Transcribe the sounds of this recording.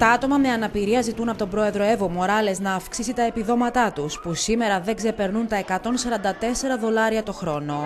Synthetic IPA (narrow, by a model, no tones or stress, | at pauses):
t̪ɐɐt̪o̞mɐme̞ɐnɐpiɾiɐzit̪unɐpo̞t̪obɾo̞e̞ðɾo̞e̞vomo̞ɾɐle̞znɐːfksisit̪ɐe̞piðo̞mɐt̪ɐt̪uspusime̞ɾɐðe̞ɡze̞pe̞ɾnunt̪ɐe̞kɐt̪o̞nsɐɾɐnd̪ɐt̪e̞se̞ɾɐðo̞lɐɾiɐt̪o̞xɾo̞no̞